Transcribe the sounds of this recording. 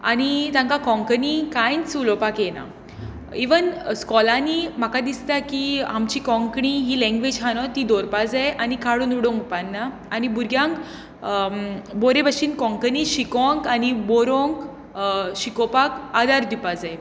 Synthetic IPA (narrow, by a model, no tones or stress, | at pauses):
a̰nit̪ãŋkakɔ̃ŋkənikãjnt͡sulɔpakjena̰ | iʋənskɔlanim̤akad̪ist̪akiamt͡ɕikɔ̃ŋkɳiɦilɛ̃ŋɡʋed͡ʑɦanɔt̪id̪ɔɾpad͡zajʔanikaɽuːnuɽõŋkpanːaː | nibuɾɡʱjãŋk | boɾebəɕiːnkɔ̃ŋkəniɕikɔ̃ŋkanibɔɾõŋk | ɕikɔpakad̪aɾd̪ipad͡zaj